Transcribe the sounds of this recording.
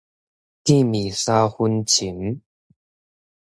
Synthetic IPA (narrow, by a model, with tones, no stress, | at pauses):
t̪i˥˨mi˨˩sa˥xu˦nt͡ɕʰi˨˦n